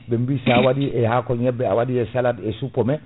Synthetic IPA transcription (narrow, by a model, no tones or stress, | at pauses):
bɛmbisawadiɛhakɔɲɛbːɛa̰wadiɛsaladɛsupːɔmɛ